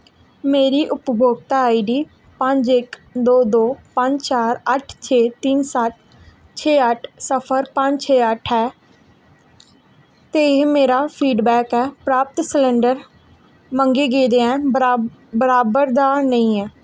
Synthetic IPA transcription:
meːɾiːʔʊpbʱoːɡt̪aːaːiɖiː | pə̃ɲd͡ʒɪkd̪oːd̪oːpə̃ɲd͡ʒt͡ʃaːɾəʈʰt͡ʃʰeːt̪insət̪ | t͡ʃʰeːəʈʰsəpʰəɾpə̃ɲd͡ʒt͡ʃʰeːəʈʰɛː | t̪eɪɦmeːɾaːpʰiːɖbɛːkɛːpɾaːp̚t̪səlɛ̃ɳɖəɾ | mə̃ŋɡeːɡeːd̪eːɛ̃ː | bəɾaːbəɾd̪aːnəĩːɛː

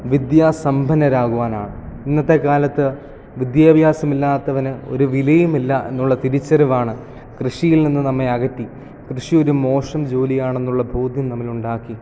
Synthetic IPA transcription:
ʋid̪jaːsɐmbʱɐnɐɾaːɣuʋaːnaːɳɨinːɐt̪ːe̞kaːlɐt̪ːɨ | ʋid̪jaːbʱjaːsɐmilːaːt̪ːɐʋɐnɨo̞̰ɾuʋilɐjumilːae̞̰nːuɭːɐt̪iɾit͡ɕːɐɾɐʋaːɳɨ | krɨʂijilninːɨnɐmːe̞ɐɣɐtːi | krɨʂio̞ɾumo̞ːʂɐmd͡ʑo̞ːlijaːɳe̞nːuɭːɐbʱoːd̪ʱjɐmnɐmːiluɳɖaːkːi

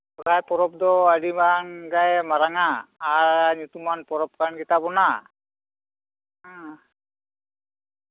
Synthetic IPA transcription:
ɔtajpɔɾɔp̚d̪ɔaɽimanɡajmaɾaŋaːɾnut̪umanpɔɾɔp̚kanɡɛt̪abɔna

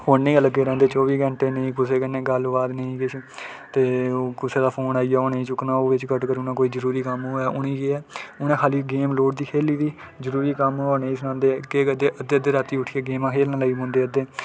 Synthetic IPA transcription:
hoːnːĩːələɡeːɾɛ̃ːnd̪eːt͡ʃɔːʋiːɡə̃ɳʈeːnĩːkʊseːkənːẽːɡəlʋaːd̪nəĩːkɪt͡ʃʰi | t̪eːoːkʊseːd̪aːpʰoːnaːiːjaːoneĩːt͡ʃʊknãːoːʋɪt͡ʃkəʈkəɾuːnãːkoːiːzəɾuːɾiːkəmoːɛːʔʊnĩːkeɛːʊnẽːkʰaːliːɡeːmloːɖ̚d̪iːkʰeːliːd̪iː | zəɾuːɾiːkəmːoːneĩsənãːnd̪eːkeːkəd̪eːʔəd̪eːəd̪eːɾaːt̪iːʊʈʰieːɡeːmãːkʰeːlnãːlːiːmõːnd̪eːəd̪eː

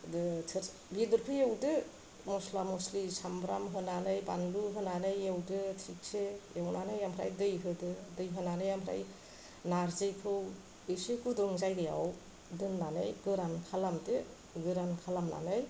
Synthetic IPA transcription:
dɯtʰɯ | bidɯɾpʰɯjewdɯ | mɔslamɔslisambɾa̰mɦɯnanɯjbanluɦɯnanɯjewdɯtʰik̚seewnanɯjampʰɾa̰jdɯjɦɯdɯdɯjɦɯnanɯjamʰɾa̰j | naɾzɯjpʰɯw | esɯkudɯŋzajɡɯja̰w | dɯnːanɯjɡɯɾankʰalamtɯ | ɡɯɾankʰalamna̰nɯj

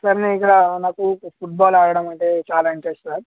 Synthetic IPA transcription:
sɐɾɐneːikːɐɽɐnaːkupʰuʈ̚baːlaːɽɐɽɐmɐɳʈeːt͡ʃaːlaːiɳʈɾesʈsaɾ

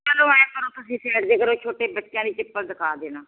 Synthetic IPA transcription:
pəlõːɛ̃ːkəɾõːt̪ʊsĩːsʰɛːʈd̪eːkəɾoːt͡ʃʰoːʈeːbətːɪjãːd̪iːt͡ʃɪpːəɾd̪ɪkʰaːd̪eːnaː

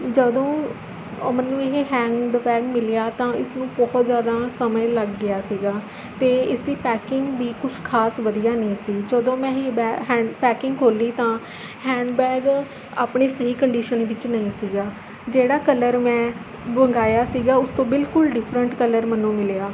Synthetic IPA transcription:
d͡ʒəd̪õː | mənːũːɪɦeɦɛ̃ːɳɖbɛːɡmɪljaːt̪ãːɪsnũːbɔːt̪zjaːd̪aːsəməjləɡːɪjaːsiːɡaː | t̪eːɪsd̪iːpɛːkɪŋɡʋiːkʊt͡ʃʰkʰaːsʋəd̪ijaːnəĩːsiːd͡ʒəd̪õːmɛ̃ːɦɛːpɛːkɪŋɡkʰoːliːt̪ãː | hɛ̃ːɳɖbɛːɡ | a̰ːpɳeːsəɦiːkəɳɖiːʃənʋɪt͡ʃnəĩːsiːɡaː | d͡ʒeːɽaːkələɾmɛ̃ː | bəŋɡaːjaːsiːɡaːʊst̪õːbɪlkʊlɖɪpʰɾəɳʈkələɾmənːũːmɪljaː

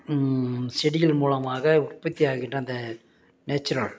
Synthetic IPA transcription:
sɛɽɪjɪlmuːlɐmaːɣɐʊrpɐt̪ːijaːɣɪʈrɐnd̪ɐ | neːt͡ʃːʊɾɐɭ

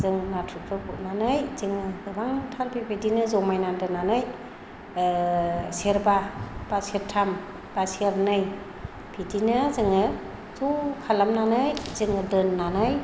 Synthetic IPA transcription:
zɯŋnatʰɾupʰɯbuʔnanɯjzɯŋɯɡɯbaŋtʰalbibʱidinɯzɔmajnandɯnːanɯj | seɾbab̥aseɾtʰam | b̥aseɾnɯj | b̥ʰʱidinɯzɯŋɯ | zukʰalamnanɯjzɯŋɯdɯnːanɯj

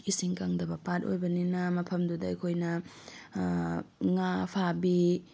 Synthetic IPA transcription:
isiŋkaŋdɐbɐpat̚o̰jbɐninɐmɐpʰɐmdudɐɐ̰jkʰojnɐ | ŋapʰabi

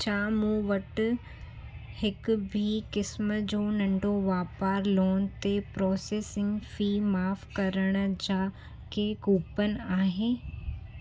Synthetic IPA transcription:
t͡ɕʰaːmũːʋɐʈ | hɪkʊbʱikɪsməd͡ʑoːnɐ̃ɳɖoʋaːpaːɾloːn̆t̪epɾɔːseːsɪ̃ŋɡfiːmaːfkɐɾəɽ̃d͡ʑaː | kʰeːɡuːpənɪ̆aːɦeː

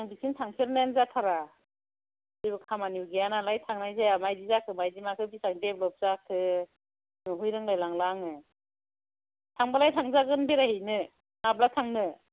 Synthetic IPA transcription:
aŋbisintʰaŋsʰeɾnanzatʰaɾa | zɯbɯkʰamaniuwɡijanalajtʰaŋnajzajamajdizakʰɯmajdimakʰɯbisaŋdep̚lɔp̚z̥akʰɯ | nɔɦujɾɯŋlajlaŋlaŋɯ | tʰaŋbalajtʰaŋzaɡɯnbeɾahɯjnɯ | nap̚latʰaŋnɯ

